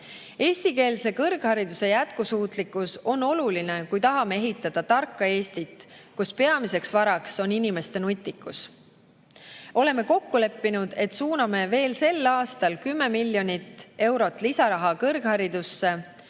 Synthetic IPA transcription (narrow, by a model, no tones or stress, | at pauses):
e̞ːst̪ike̞ːlse̞kɤrɡ̥hɑɾid̪use̞jæt̪kusuːt̪likːuso̞nːo̞luline̞kujt̪ɑɦɑme̞e̞ɦit̪ːˑɑd̪̥ɑt̪ɑrkːɑe̞ːst̪it̪ːˑkuspe̞ɑmise̞ksvɑɾɑkso̞ninime̞st̪e̞nut̪ʲˑːikːˑus | o̞le̞mːe̞ko̞kːule̞pːinud̪̥e̞t̪suːnɑme̞ve̞ːlse̞lːɑːst̪ɑlkymːe̞milːjo̞nʲit̪ːe̞wɾo̞t̪ːˑlisɑɾɑɦɑkɤrɡ̥hɑɾid̪̥usːe̞